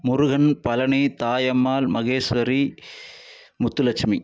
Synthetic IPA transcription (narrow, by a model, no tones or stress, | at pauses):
mʊɾʊɣɐnpɐlɐɳit̪aːjɐmːaːlmɐɣeːsʋɐɾi | mʊt̪ːulɐt͡ʃmi